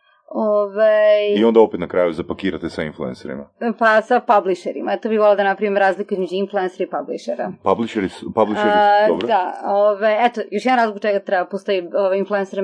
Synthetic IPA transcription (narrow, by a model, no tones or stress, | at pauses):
ovajiond̪aopet̪nakɾaːjuzapakiːɾat̪esainfluenseɾḭmapasapabliʃeɾḭmaɛt̪obiβolad̪ɐnapɾɐʋimɾaːzlikuizmed͡ʒuinfluensoɾaipabliʃeɾa̰pabliʃeɾspabliʃeɾd̪obɾod̪aovajɛt̪ojoʃjɛd̪nɾaːzlikut͡ʃeɡat̪ɾɛbapost̪ojioʋajinfluenseɾ